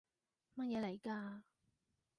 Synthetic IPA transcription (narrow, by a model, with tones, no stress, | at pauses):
mɐ˥t̚jɛː˨˧le˨˩jkaː˧